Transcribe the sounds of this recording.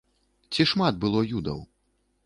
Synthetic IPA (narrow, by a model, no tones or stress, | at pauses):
t͡sʲiʂmad̪̚bɨlˠɔjud̪ɐ̰w